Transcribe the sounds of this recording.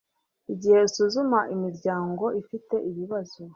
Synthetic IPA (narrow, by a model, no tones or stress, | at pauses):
iɟihe̞isuzumaʔimiɾɟaːŋɡo̞ʔifite̞ʔiβiβazo